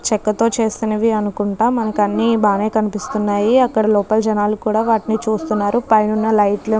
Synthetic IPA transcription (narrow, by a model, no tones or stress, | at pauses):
t͡ʃɛkːɐt̪o̞ːt͡ʃe̞ːst̪inɐʋiɐnukuɳʈaːmːɐnɐkɐnːibaːneːkɐnipist̪unːaːjiɐkːɐɽɐlɔːpɐld͡ʒɐnaːlukuːɽaːʋaːʈinit͡ʃuːst̪unːaːɾupɐjnunːɐlɐjʈlɐ